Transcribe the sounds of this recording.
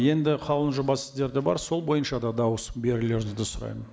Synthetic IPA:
je̞nd̪ɪqʰɑlˠənʒʊbɑsɪzd̪e̞ɾd̪e̞bɑ̰ɾso̞lˠbo̞jənʃɑd̪ɑd̪ɑwəsbe̞ɾɪle̞ɾd̪ɪd̪ɪsʊɾɑ̰jmən

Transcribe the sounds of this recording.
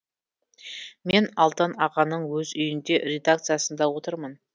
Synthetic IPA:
me̞nɑlˠt̪ənɑqɑnːəɴwɵzʏjɪnd̪e̞ɾʲe̞d̪ak̚t̪sɨjasənd̪ɑwo̞t̪əɾmən

